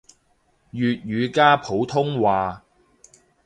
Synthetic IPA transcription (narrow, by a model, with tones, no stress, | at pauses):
jyː˨t̚jɥyː˨˧kaː˥pʰo˨˥wt̪ʰʊ˥ŋwaː˨